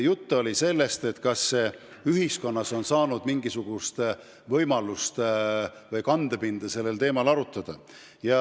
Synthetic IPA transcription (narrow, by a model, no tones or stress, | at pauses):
jut̪ːuo̞lʲise̞lːe̞st̪e̞t̪kɑsːe | yɦisko̞nːɑso̞nsɑːnud̪̥miŋɡisuɡ̥ust̪ | vɤjmɑlust̪ | vɤjkɑnd̪̥epind̪̥ɑse̞lːe̞lt̪e̞ːmɑlɑɾut̪ːˑɑd̪̥ɑ | jɑ